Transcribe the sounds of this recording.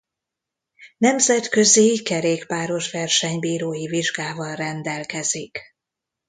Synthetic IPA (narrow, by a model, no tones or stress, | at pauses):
nɛmzɛt̪kø̞zikɛɾeːkpaːɾo̞ʃʋɛrʃɛɲbiːɾoːjiviʒɡaːvɒlrɛnd̪ɛlkɛzik